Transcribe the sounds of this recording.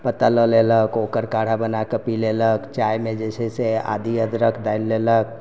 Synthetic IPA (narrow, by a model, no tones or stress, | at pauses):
pət̪aləleləkokəɾkaɽ̤abənakəpileləkt͡ʃajmed͡ʒesʰɛsea̰d̪iəd̪ɾəkʰd̪ailːelək̚